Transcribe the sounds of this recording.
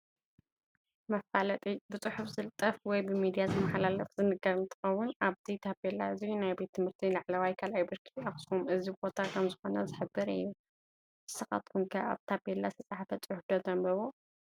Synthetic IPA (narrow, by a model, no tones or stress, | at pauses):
mɐfalɐt̪ʼibɨt͡sʼɨħufzɨlt̪ʼɐfwɔjbɨmid̪ijazɨmːaħalalɐfzɨnɨɡɐɾɨnt̪ʰɨ̥xɐwːʊnaβt̪ʰit̪ʰabelːaɨzinajbe̞t̪ʰːɨmhɨɾt̪ʰilaʕlɐwajkʰalʔajbɨɾkʰi̥axsumɨzibo̞t̪ʰakʰɐmzɨxo̞nɐzɨħɨbːɨɾɨ̰jːu | ɨsɨxa̰t̪kʰuŋkʰɐa̰βt̪ʰabelːasɨt͡sʼaħafɐt͡sʼʊħʊfd̪ozɐmbɐβo